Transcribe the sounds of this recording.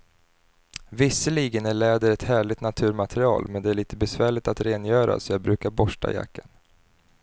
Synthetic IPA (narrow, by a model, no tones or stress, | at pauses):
vɪsːəliːɡənæɭɛːd̪əɾɛt̪hæːɭɪɡt̪nat̪ʰʉ̟ːɾmat̪ʰɾɪɑ̰ːlmɛnd̪ɛæɭiːt̪əbɛsvæːɭɪt̪at̪ɾeːnjœːɾʔa̰sɔjɑːɡbɾʉ̟ːkaɾbɔʂʈa̰ja̰kːan